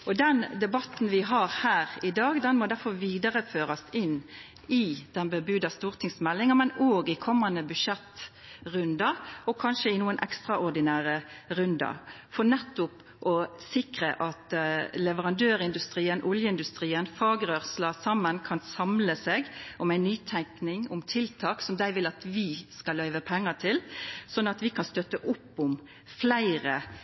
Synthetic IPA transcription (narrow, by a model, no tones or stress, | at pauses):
ɔd̪ɛnd̪ɛbɑt̪n̩ʋɪɦɑɾhæːʁɪd̪ɑːɡd̪ɛnmɔd̪æɾfɔɾʋiːd̪ɑʁəføːɾɑsɪnː | ɪd̪̥ɛnbəbʉd̪ɑst̪uːʁt̪ʰɪŋsmɛlːɪŋəmɛnoːɡɪkʰɔmːɑnd̪əbʉd̪ʂɛt̪ː | ʁʉnd̪ɑɔkʰɑnʃəɪnuːənʔɛ̰kst̪ɾɑʔɔʁd̪ɪnæːʁəɾʉnd̪ɑ̰fɔnɛt̪ːʊp | ʔɔsɪkɾə̰ʔɑt̪lɛʋəʁɑnd̪øːɾɪnd̪ʉst̪ɾiːənʔɔljəɪnd̪ʉst̪ɾiːənfɑːɡɾœʁslɑsɑmːənkʰɑnsɑmləseːɡʔɔmæɪnːyːt̪ʰæŋknɪŋʊmt̪ʰɪlt̪ʰɑːksɔmd̪æɪʋɪlɑt̪ʋɪskɑlœʏʋəpʰɛŋːɑt̪ʰɪlsɔnːɑt̪ʋɪkʰɑnst̪œt̪ːəʔʊpːʊm | flæɪɾə